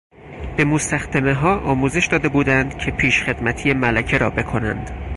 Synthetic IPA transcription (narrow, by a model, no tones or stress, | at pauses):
b̥e̞most̪æxd̪emeɦɒːʔɒːmuːze̞ʃd̪ɒːd̪e̞buːd̪ænd̪cʰe̞pʰiːʃxe̞d̪̥mæt̪ʰijemælæcʰe̞ɾɒ̰ːbe̞kʰo̞næ̰nd̪̥